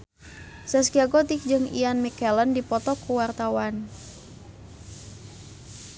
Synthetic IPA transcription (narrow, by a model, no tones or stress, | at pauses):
sɛskiaɡɔt̪ik̚d͡ʒɨŋḭanmikɛləndipɔt̪ɔkuwart̪awan